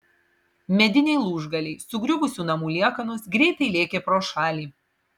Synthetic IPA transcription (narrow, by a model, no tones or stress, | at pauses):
mʲɛd̪ʲɪnʲɛɪlˠuːʒɡɐlʲɛɪsʊɡɾʲʊbʊsʲuːnɐmuːlʲiɛkɐnʊsɡɾʲɛɪt̪ɐɪlʲeːkʲeːpɾoːʃɑːlʲiː